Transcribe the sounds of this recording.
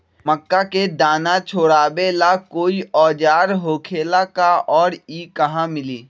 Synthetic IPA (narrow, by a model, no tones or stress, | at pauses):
məkːaked̪aːnat͡ʃʰoːɽaːbelakoːiʔɔːd͡ʒaːɾɦoːkʰeːlakaʔɔːɾiːkɐɦãmɪliː